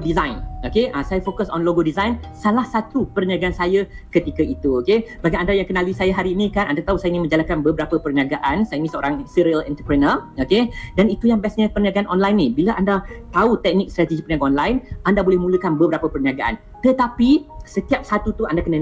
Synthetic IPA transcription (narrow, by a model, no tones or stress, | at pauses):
dizajnokeʔasajafokasɔnloɡodizajnsalahsat̪upərniaɡaansajə | kət̪ikəit̪uokebaɡiandajaŋkənalisajaɦaɾiːnĩkanʔandat̪ausajainĩŋnmə̃ɲd͡ʒalakanbəbəɾapəpərniaɡaʔansajainĩnsəo̰ɾaŋsiɾiəlɛ̰nt̪ərpɾənəokedanit̪ujaŋbiasɲəpərniaɡaanʔɔnlajnːibiləʔandat̪aut̪ɛk̚nɪk̚st̪ɾat̪id͡ʒipərnjaɡaɔnlajnandabolɛhmũləkanbəbəɾapəpərniaɡaʔa̰n | t̪ət̪apisət̪iap̚sat̪ut̪uandakənə